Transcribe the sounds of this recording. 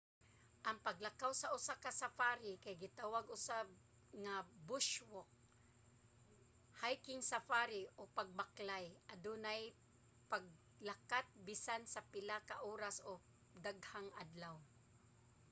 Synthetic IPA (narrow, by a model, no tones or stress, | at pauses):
ʔɐŋpaɡlakawsaʔʊsakasafaɾɪkajɡɪt̪awaɡʊsab | ŋabʊʃwok̚ | hajkɪŋsafaɾɪʔopaɡ̚baklajʔad̪unaj | paɡ̚ | lakat̪̚bɪsansapɪlakaʔoːɾaso | d̪aɡhaŋʔa̰d̪law